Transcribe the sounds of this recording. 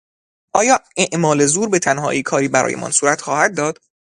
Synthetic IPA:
ʔɒːjɒːeʔmɒːle̞zuːɾbe̞t̪ʰænhɒ̰ːʔiːkʰɒːɾiːbæɾɒ̰ːjemʔɒ̰ːnsuːɾæt̪xɒːhæd̪̚ːɒːd̪̥

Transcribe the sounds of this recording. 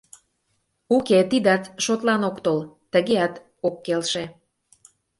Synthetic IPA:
uket̪id̪ɑt̪ʃot̪lɑnokt̪olt̪əɣeɑt̪ | okːelʃe

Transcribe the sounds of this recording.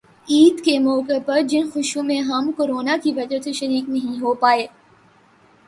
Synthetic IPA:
iːd̪kemɔːkɪpɐɾd͡ʑɪnxʊʃjũmẽɦɐmkoːɾoːnakʰiːʋɐd͡ʒət̪ʰʃɐɾiːknɐɦĩɦopaːeː

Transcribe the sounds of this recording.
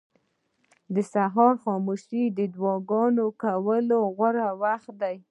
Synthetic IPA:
d̪əsaɦɑɾxɑmuʃid̪əd̪wɑɡɑnokawəloɣaɾawaxt̪̚d̪aj

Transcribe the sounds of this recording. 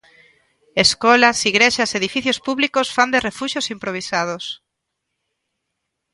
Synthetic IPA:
eskɔlasiɣɾeʃaseðifiθjospuβlikosfand̪erefuʃjosimpɾoβ̞isað̞os

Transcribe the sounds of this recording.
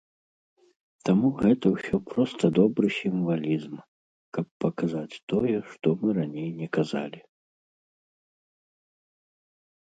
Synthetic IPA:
t̪amuɣɛt̪ɐwsʲɔpɾɔst̪ɐd̪ɔbɾɨsʲiɱvalʲizm | kɐpːɐkazat͡sʲt̪ɔjɛʂt̪ɔmɨɾanʲejnʲɛkaza̰lʲi

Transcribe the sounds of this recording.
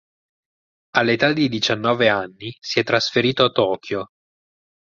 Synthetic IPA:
alːet̪ad̪id̪it͡ʃanːɔːveanːisiɛt̪ːɾasfeɾiːt̪oat̪ːɔːkʰjo

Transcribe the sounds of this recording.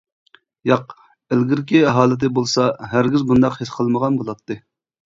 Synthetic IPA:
jɑq | elɡʲiɾkʲiɛɦɑːlˠɨt̪̬ɪbolˠsɑɦæɾɡʲizbund̪ɑqhesqʰəlˠməʁɑnbolˠɑt̪ːɨ

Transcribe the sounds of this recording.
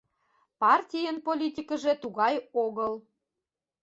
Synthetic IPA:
pɑrtʲijənpolʲit̪ʲikə̆ʒet̪uɣɑjoɣəl

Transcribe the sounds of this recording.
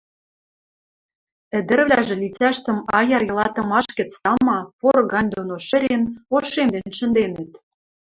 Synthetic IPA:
ɘ̆d̪ɘ̆rβlʲæʒĕlʲit͡sæʃt̪ə̆mɑjɑrjɤ̆lɑt̪ɤ̆mɑʃkə̆t͡sɑmɑporɣɑnʲd̪onoʃə̆ɾʲenoʃemd̪enʃə̆nd̪enə̆t̪

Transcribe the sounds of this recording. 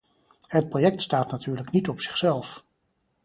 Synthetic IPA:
ɦət̚projɛk̚tstaːtnatʰyːɹləknitɔpsɪ̥χsɛlˠf

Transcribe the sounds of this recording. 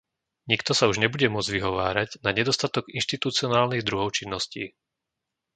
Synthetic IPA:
ɲikt̪ɔsauʒɲɛbuɟɛmʊɔd͡zɟʋiɦɔʋaːɾaɟnaɲɛd̪ɔst̪at̪ɔɡinʃt̪it̪ut͡siɔnaːlniɣd̪ɾuɦɔʊt͡ʃinːɔscḭː

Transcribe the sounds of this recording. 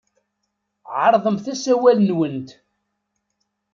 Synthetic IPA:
ʕəɾˤðˤəmθæsæwælnwənt̪

